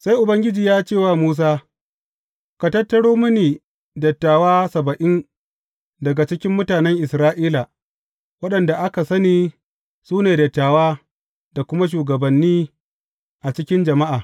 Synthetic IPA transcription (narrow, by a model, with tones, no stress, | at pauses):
sa˦jʔʊ˨bɐ˦ŋɡʲɪ˦d͡ʒiː˨jaː˦t͡ʃeː˦˨waː˦muː˦s̬aː˦ | ka˨tɐ˦tːɐ˦ɽoː˦mʊ˦niː˨ | dɐ˨tːaː˨waː˦sɐ˨bɐ˨ʔɪ˦n | dɐ˨ɡa˨t͡ʃɪ˦kʲɪ˦mːʊ˦taː˨nɛ˦ŋʔɪ˨sɾaː˦ʔiː˦la˨ | wɐ˦ɗɐ˨nda˨ʔa˦ka˨sɐ˦niː˦ | suː˦neː˨dɐ˨tːaː˨waː˦ | da˨kʷʊ˦ma˦ʃ̬uː˨ɡɐ˨bɐ˨nːiː˦ | ʔa˨t͡ʃɪ˦kʲɪ˦nd͡ʒɐ˨ma˦ʔaː˨